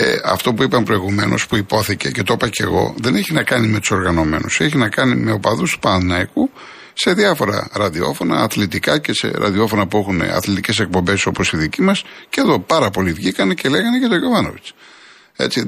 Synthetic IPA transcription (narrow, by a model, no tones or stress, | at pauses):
ḛɐ̰ft̪o̞puipɐmpɾo̞iɣume̞no̞̰spuipo̞θice̞̰ce̞t̪o̞pɐce̞ɣo̞̰ðe̞neçinɐkɐnime̞t̪u̥so̞ɾɣɐno̞me̞̰nuseçinɐkɐnime̞o̞pɐðust̪u̥pɐnɐiku | se̞ðiɐfo̞ɾɐ̰ɾɐðio̞̰fo̞nɐ̰ːθlit̪ikɐce̞se̞̰ɾɐ̰ðio̞fo̞nɐpue̞xunḛɐ̰θlit̪ice̞s̬e̞k̚po̞mbe̞so̞po̞siðicimɐsceðo̞pɐɾɐpo̞livʝikɐne̞ce̞le̞ɣɐnecet̪o̞ʝo̞vɐno̞vit͡s | e̞̰t͡si